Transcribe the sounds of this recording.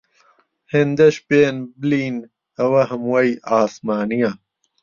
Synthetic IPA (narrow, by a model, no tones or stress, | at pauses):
hend̪ɐɕbeːnbliːn | ɐwɐɦɐmwɐjaːsmaːnija